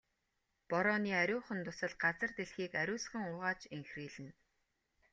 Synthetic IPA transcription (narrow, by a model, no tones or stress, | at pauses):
pɔɾɔːniːæɾʲʊːχə̆nt̪ʊsə̆ɮɢat͡sə̆rt̪eɮxiːkæɾʲʊːsχə̆ŋʊʁaːt͡ɕeŋxriːɮɘ̆n